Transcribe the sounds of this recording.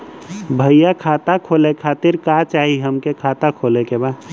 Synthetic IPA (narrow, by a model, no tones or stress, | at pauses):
bʱəjjakʰaːt̪akʰoːlekʰaːt̪ɪɾkat͡ʃaːɦiɦəmkekʰaːt̪akʰoːlekeba